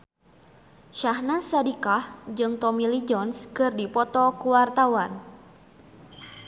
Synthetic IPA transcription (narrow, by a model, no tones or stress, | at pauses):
ʃahnasadikahd͡ʒɨŋt̪ɔmilid͡ʒɔnskɨrdipɔt̪ɔkuwart̪awan